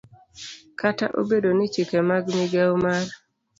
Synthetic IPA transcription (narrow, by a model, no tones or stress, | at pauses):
kata̰ʔo̰bedonit͡ʃikemaɡmiɡawmar